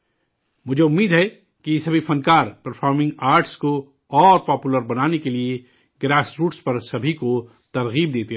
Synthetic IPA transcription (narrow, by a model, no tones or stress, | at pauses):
mʊd͡ʒʱeʊmːiːd̪ɦɛ | kisɐbʱifɐnkaːɾpɐɾfʰɔːɾmɪ̃ŋɡaːɾʈsko | ɔːɾpɔːpuləɾbɐnaːnekelie | ɡɾaːsɾuːʈspɐɾsɐbʱiko | t̪ɐɾɣiːb̚d̪eːt̪e